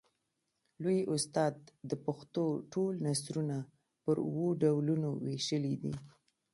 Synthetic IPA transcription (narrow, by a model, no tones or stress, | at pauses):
lojʔʊst̪ɑd̪ːəpxt̪oʈolnasɾuna | pəɾuwoɖawlunoweʃəlid̪ḭ